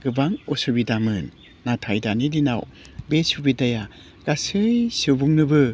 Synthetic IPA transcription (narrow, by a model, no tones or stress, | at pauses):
ɡ̥ɯbaŋɔsɯbidamɯnː | atʰajdanidinaw | besubidaja | ɡ̥asɯjsɯbuŋnɯbɯ